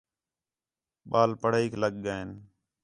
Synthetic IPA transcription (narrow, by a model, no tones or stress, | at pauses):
ɓaːlpəɽaiːkʰləɡ̚ːaːen